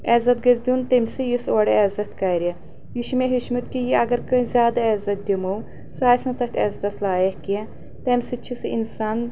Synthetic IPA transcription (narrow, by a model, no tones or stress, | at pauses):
ɛzɐt̪ɡɐzʲd̪ʲunt̪emʲsɨjisoːɽeɐzɐt̪kɐɾe | jiʃmeɦiʃmɨt̪kijiɐɡɐɾkɐzʲjaːd̪ɐɛzɐt̪̚d̪ʲimow | saːsnɐt̪ɐhʲt̪ʰʲɐ̰zɐt̪ɐslaːjɐhke | t̪ɐmʲsɨt͡ʃʰisɨḭnsaːn